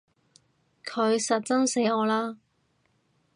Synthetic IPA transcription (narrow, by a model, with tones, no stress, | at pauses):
kʰɵ˨˧ɥsɐ˨t̚t͡sɐ˥ŋse˨˥jɔː˨˧laː˥